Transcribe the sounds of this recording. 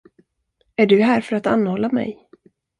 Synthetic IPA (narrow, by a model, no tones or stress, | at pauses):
æɖɵɦæːɾfœɾat̪a̰nːhɔlːamɛ̰j